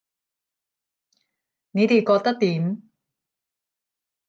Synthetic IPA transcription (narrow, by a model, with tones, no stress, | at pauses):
ne˨˧t̪e˨˩jkɔː˧k̚t̪ɐ˥k̚t̪iː˨˦m